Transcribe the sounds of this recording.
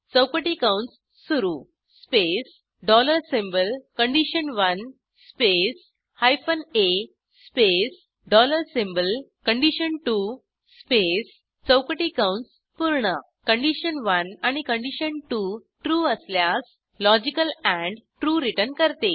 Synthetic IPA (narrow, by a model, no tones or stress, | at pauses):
t͡səwkəʈikawuɳʈsː | uɾu | spes | ɖɔləɾsĩmbəlkəɳɖiɕənʋən | spes | hajfəne | spes | ɖɔləɾsimbəlkəɳɖiɕənʈu | spes | t͡səwkəʈikawuɳʈs | puɾɳə | kəɳɖiɕənʋənaɽ̃ikəɳɖiɕənʈuʈɾuːəsljas | lɔd͡ʑikəlæ̃ɳɖʈɾuːɾiʈənkəɾt̪e